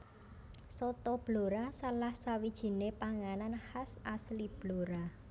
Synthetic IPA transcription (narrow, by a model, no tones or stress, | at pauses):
sɔt̪ɔb̥loɾasalahsawid̥ʒ̥i̤nepaŋananhasaslib̥loɾa